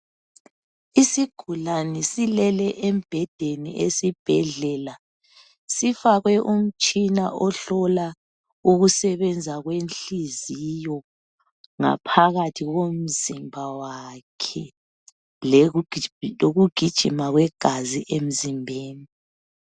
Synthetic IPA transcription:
isiɡ̥ʱulanɛsilɛlɛʔem̩b̥ʱɛd̥ʱenḭʔesib̥ʱɛɮɛla | sifaɣwɛʔum̩t͡ʃʼinaʔɔɬɔla | uɣusɛβɛnd͡zʱaɣwenɬizijɔ | ŋa̰pʰaɣatʰiɣom̩zimbʱawakʰɛ | l | loɣuɡ̥ʱid̥ʒ̥ʱimaɣwɛɡ̥ʱaziʔem̩zimbʱeːni

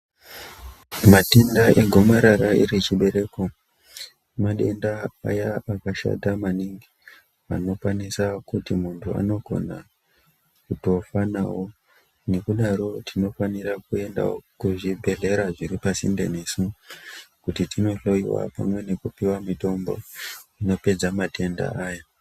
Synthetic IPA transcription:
matendaʔeɡʱo̞maɾaɾaḭɾit͡ʃiɓe̞ɾe̞ko̞ | maɗe̞ndaa̰jaakaʃa̰tamaniŋɡi | a̰no̞kwanisakutimuntʰua̰no̞ɡʱo̞̰na̰ | kuto̞fana̰wo̞ | ne̞kuɗaɾo̞tʰino̞faniɾakue̞nda̰o̰kuʐibʱe̞ɮe̞ɾaʐiɾipasḭnde̞̰nesu | kutitʰino̞ɬo̞iwa̰pa̰mwe̞ne̞kupiwamito̞mbo̞̰ino̞pe̞d͡zamate̞nda̰aja

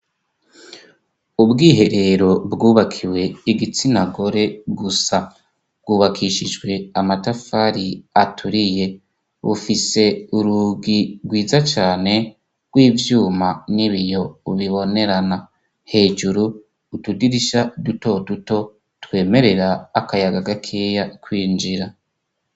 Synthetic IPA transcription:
ubɡiːɦe̞ɾe̞ɾo̞bɡuːβakʰiwe̞iɡit͡sinaɡo̞ɾe̞ɡusa | b̚ɡ̥uːβakʰiʃid͡ʒɡwe̞amatafaɾiatʰuɾije̞ | βṵfise̞uɾuɡiɡwiːzat͡ʃaːne̞ | ɡ̥wiːvjuːmaniβijo̞uβiβo̞ne̞ɾana | he̞ːd͡ʒuɾuː | tudiɾiʃaduto̞duto̞ | twe̞ːme̞ɾe̞ɾaːkajaɡaɡakʰejakwiːnd͡ʒiɾa

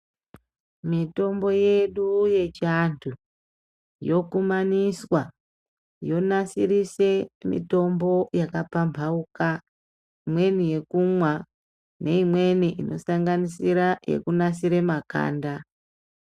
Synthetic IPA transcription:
mito̞mbo̞je̞ɗuje̞t͡ʃantʰu | jo̞kumaniswa | jo̞nasirise̞mḭto̞mbo̞jakapampʰauka | imwe̞nije̞kumwa | nʔe̞imwe̞niʔinʔo̞̰saŋɡanisiɾaje̞̰kunasiɾe̞maka̰ːnda

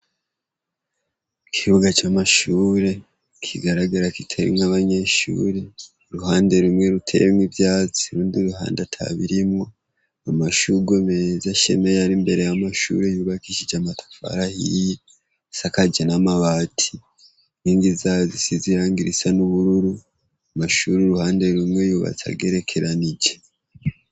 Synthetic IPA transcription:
kʰihuɡat͡ʃamaʃuːɾe̞ | kʰiɡaɾaɡaɾakitʰeɾḭmŋaβaɲe̞ʃṵːɾe̞ | ɾuhaːnde̞ɾumŋe̞ɾutʰe̞̰βemwibjaːt͡si̥ɾuːndiɾuɦa̰ːndatʰa̰βiɾimŋo̞ | amaʃuɡomezaʃe̞me̞jaɾimbe̞ɾejamaʃṵɾejuːβakiʃid͡ʒamatʰḁfa̰ɾahḭje | sakad͡ʒenamaβaːtʰi | niːndizazisiziɾaːŋɡiɾisanuβuɾuɾu | amaʃuɾuɾuhaːnde̞ɾumŋe̞juːβa̰t͡sa̰ɡe̞ːɾe̞kʰe̞ɾanid͡ʒe

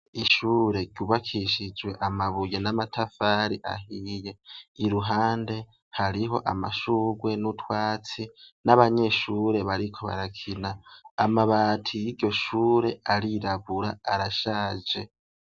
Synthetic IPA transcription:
iʃuːɾe̞ɡɟuβakʰiʃid͡ʒwe̞ʔamaβuje̞namatʰafaɾiʔa̰ɦije̞iɾuɦaːnde̞ | haɾiɦo̞̰ʔama̰ʃuɡwe̞nutwaːt͡sinaβaɲe̞ʃuːɾe̞βaɾikʰo̞βa̰ɾakʰinaːmaβaːtʰijiɟo̞ʃuːɾe̞ʔaɾiɾaβuɾa̰ːɾaʃaːd͡ʒe̞

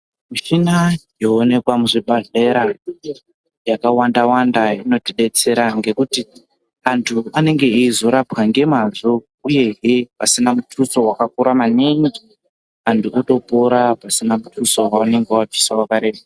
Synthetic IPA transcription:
muʃinajo̞ːne̞kwamuʐibʱaɮe̞ɾa | jakawandawandaino̞tiɗe̞t͡se̞ɾaŋɡe̞kuti | antʰuane̞ŋɡe̞iizo̞ɾapaŋɡe̞mazo | uje̞ɦepasinamutʰuso̞wakakuɾamaniŋɡi | antuoto̞poɾapasinamutʰuso̞waane̞ŋɡewab͡visawakaɾe̞ːɓa

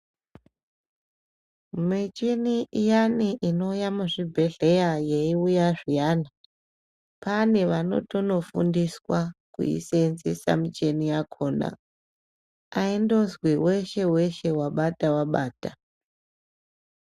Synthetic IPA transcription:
mit͡ʃiniʔijaniʔino̞jamuʐibʱe̞ɮe̞jaje̞iujaʐijana | pane̞ʋano̞̰to̞no̞fṵndiswakṵḭsenzesa̰mit͡ʃe̞nijakʰo̞ːna̰ | aindozwiwe̞ʃe̞we̞ʃe̞waɓatawaɓaːta

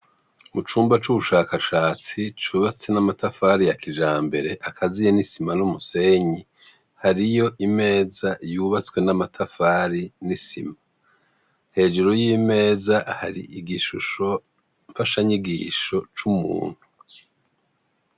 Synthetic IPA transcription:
mut͡ʃuːmbat͡ʃuβuʃaːkaʃaːt͡sit͡ʃuːβat͡se̞namatafaːɾijakʰiʒaːmbe̞ɾe̞ʔakʰazijenisimanumuse̞ɲi | haɾijo̞ʔime̞ːzajuːβat͡swe̞namatʰafaːɾinisḭma | he̞ːʒuɾojime̞ːzaʔahaɾḭiɡiʃuʃo̞ | ɱfaʃaɲiɡiːʃo̞t͡ʃumṵːn̥hu

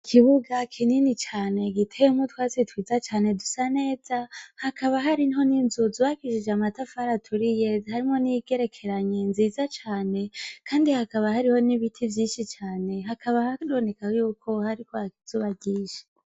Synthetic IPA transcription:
kʰiβuɡakʰininit͡ʃaːne̞ɡitʰejumutwaːsitwiːzat͡ʃaːne̞dusane̞ːz̥ahakʰaβaɦaɾinho̞ninzuzuβaɡiʃid͡ʒamatafaɾatʰuɾijehaɾimŋo̞niɡe̞ɾe̞kʰe̞ɾaɲe̞nziːzat͡ʃaːne̞kʰaːndihakaβahaɾiho̞niβitʰivjiːnʃit͡ʃaːne̞ɦakʰaβahakdonekahojuːkʰo̞haɾikoakizuβaɟiʒe

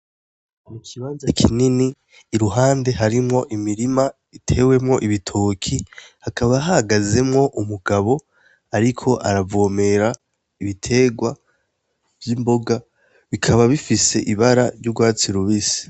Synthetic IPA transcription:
mukiβaːnzakʰininiː | ɾuɦaːnde̞ɦaɾimŋo̞ʔimiɾima | itʰe̞ːwe̞mŋo̞ʔiβitʰoːkʰihakaβaɦahaɡaze̞mŋo̞ʔumuɡaβo̞ | aɾikʰo̞ʔaɾavoːme̞ɾa | iβitʰe̞ːɡwa | v̥jimbo̞ɡa | βikʰaβaβifise̞ʔiβaɾaɾɟuɡwaːt͡siɾuβisi̥

